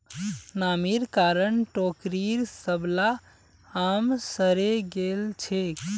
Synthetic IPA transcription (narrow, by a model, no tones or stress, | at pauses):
namiɾkaɾənʈokɾiɾsəbla | amsəɾeɡelt͡ʃʰek